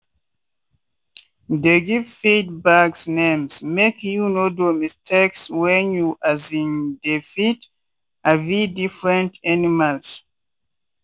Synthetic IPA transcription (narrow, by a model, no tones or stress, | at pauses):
deɡivfit̚baksnẽmsmekjunodomistʰekswɛ̃njuʔazĩndefit | avidifɹɛ̃ntanimals